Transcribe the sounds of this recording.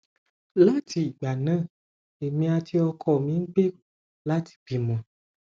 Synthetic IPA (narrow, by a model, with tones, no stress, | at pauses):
lə˦ti˨ɡ͡ba˨nə̃˦ | e˨mĩ˦a˨t̪i˦ɔ˧kʰɔ˨mĩ˦ŋ̩˦k͡pe˦ | la˦t̪i̥˦b̥i˨mə̃˨